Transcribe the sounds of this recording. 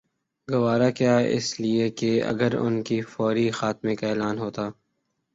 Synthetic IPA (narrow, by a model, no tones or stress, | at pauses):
ɡɐʋaːɾakjaːɪ̰sliekeɐ̰ɡəɾʊ̰nkifɔːɾixaːt̪mekaeːlaːnɦoːt̪aː